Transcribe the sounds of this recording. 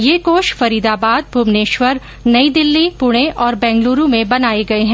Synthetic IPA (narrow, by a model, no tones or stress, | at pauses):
jeːkoːʃfɐɾiːd̪aːbaːd̪̚bʱʊmneːʃʋəɾ | nɐid̪ɪlːipʊɽ̃eʔɔːɾbɛ̃ːŋɡluːɾũmẽbɐnaːeɡɐeɦɛ̃